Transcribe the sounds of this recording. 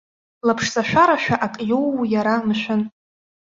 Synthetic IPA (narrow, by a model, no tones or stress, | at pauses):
lapʰʂzaʃᶣʷaɾaʃᶣaʔakʼjowːjaɾamʃʷᶣʊn